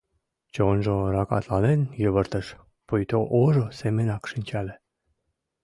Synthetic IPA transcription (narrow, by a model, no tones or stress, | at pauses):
t͡ɕonʒoɾɑkɑ̰t̪lɑnenjəβə̆rt̪ə̆ʃ | pujt̪oʔoʒosemenɑkʃinʲt͡ɕælʲĕ